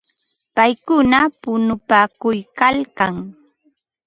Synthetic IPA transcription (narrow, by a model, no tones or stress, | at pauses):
pajkʊnapʊnʊpaːkʊjkalkaŋ